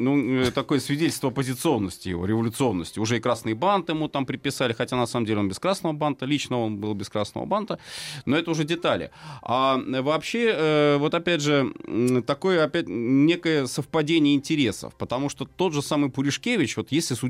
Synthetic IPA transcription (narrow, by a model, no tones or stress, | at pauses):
nut̪ɐko̞jəsvʲɪdʲetʲlʲst̪vəɐpəzʲɪt̪sɨo̞nːəsʲtʲɪjɪ̰vo̞̰ɾʲɪvəlʲʊt̪sɨo̞nːəsʲtʲɪʊʐɛɪkɾasnɨjəbant̪ɪmɨt̪ampɾʲɪt̪̚pːʲɪsalʲɪxɐtʲanɐsaməmdʲelʲo̞nbʲɪskɾasnəvəbant̪əlʲit͡ɕnəo̞nbɨlˠbʲɪskɾasnə̰və̰bant̪ənoɛt̪əʊʐɛdʲɪt̪alʲɪ̰avɐpɕːeəvo̞t̪ɐpʲædʲʐɨt̪ɐko̞jəɐpʲætʲnʲe̞kəjəsəfpɐdʲenʲɪjəɪnʲtʲɪɾʲe̞sə̰fpət̪ɐmuʂt̪ot̪o̞t̪ʐɨsamɨjpʊɾʲɪʂkʲevʲɪt͡ɕvo̞t̪jesʲlʲɪsʊ